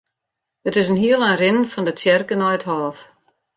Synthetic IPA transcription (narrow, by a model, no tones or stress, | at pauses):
ətɪsənɦiəlˠanrɪnnfɔndətjɛrkənɔjəthɔːf